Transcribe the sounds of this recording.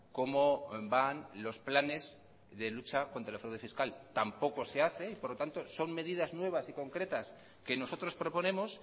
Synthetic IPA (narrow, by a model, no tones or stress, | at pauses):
ko̞mo̞banlo̞splane̞z | ðe̞lut͡ʃako̞nt̪ɾaelfɾawðe̞fiskalt̪ampo̞ko̞se̞aθe̞ipo̞ɾlo̞t̪ant̪o̞so̞mme̞ðiðaznwe̞β̞asiko̞ŋkɾe̞t̪as | ke̞no̞sot̪ɾo̞spɾo̞po̞nẽ̞mo̞s